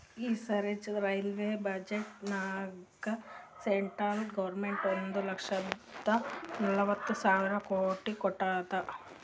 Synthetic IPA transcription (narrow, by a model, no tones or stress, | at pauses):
iːsɐɾed͡ʒɐɾɐjlʋeːbɐd͡ʒeʈnaːɡɐseɳʈɾɐlɡɐʋɐɾmeɳʈoɾond̪ulɐkʂɐd̪ɐnɐlɐʋɐt̪ːusaːʋiɾɐkoːʈikɔʈːaːt̪ɐ